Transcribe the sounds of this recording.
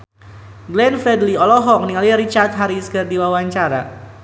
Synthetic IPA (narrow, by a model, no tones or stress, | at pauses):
ɡlɛnfɾɛdliɔlɔɦɔk̚niŋaliɾit͡ʃart̪ɦaɾiskərdiwawaɲt͡ʃaɾa̰